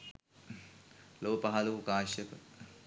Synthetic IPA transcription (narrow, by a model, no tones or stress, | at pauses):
loːpɐɦaloːkaːʃɐk